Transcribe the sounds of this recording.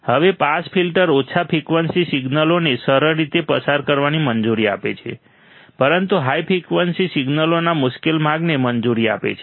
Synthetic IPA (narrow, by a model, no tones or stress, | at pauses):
həʋepaspʰilʈəɾot͡ʃʰapʰikʋənsisiɡnəlonesəɾəɾːit̪epəsaɾkəɾʋanimənd͡ʒuɾia̰pḛt͡ʃʰḛ | pəɾənt̪uɦaipʰikʋənsisiɡnəlonamʊʃkelmaɡnemənd͡ʒuɾia̰pḛt͡ʃʰe